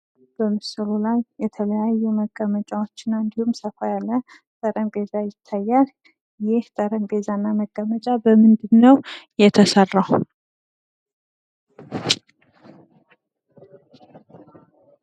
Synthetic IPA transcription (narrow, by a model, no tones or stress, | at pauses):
b̥əmɨsɨlulajːɛt̪ʰələjajːuməɡːəmət͡ʃʼawo̞t͡ʃːɪnːaɨnd̪ihumsəfajalːə | t̪ʼəɾəmbe̞zajɪt̪ʰːajːal | jɪht̪ʼəɾəmbe̞zanːaməɡːəmət͡ʃʼabəmɨnd̪ɨnːəwjɛt̪ʰəsərːaw